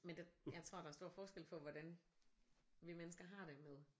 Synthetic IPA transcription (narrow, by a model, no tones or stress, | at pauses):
mend̥ejɑ̈ɪt͡sʰʁo̝ɐ̰d̥ɑ̈æɐsd̥o̝ɐ̰fɒːsɡ̥el̰pʰɒ̽ʋɒd̥æn | ʋimenəsɡ̥ɐɦɑ̈ɾ̥e̝með̞ˠ